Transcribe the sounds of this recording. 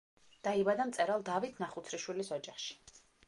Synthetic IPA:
d̪̥aibad̪amt̪sʼɛɾalˠd̪avit̪ʰnaχut̪sʰɾiʃwilisɔd͡ʒaχʃi̥

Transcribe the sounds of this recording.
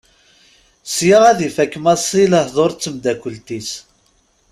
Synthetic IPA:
sjəʁæðifækːmæsˤiləhðˤoɾˤt͡sːəmd̪ækʷːəlt̪is

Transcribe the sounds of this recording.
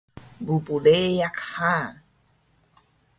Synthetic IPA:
bupulejakha

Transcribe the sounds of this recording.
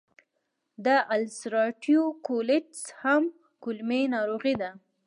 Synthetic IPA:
d̪əʔalsɾɑʈjokolɪd͡ʒsham | kʊlmenɑɾoɣid̪a

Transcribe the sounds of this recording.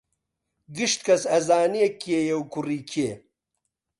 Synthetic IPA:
ɡɨʃt̪kʰɐsɐzaːnijekːiejewkuriːkʰie

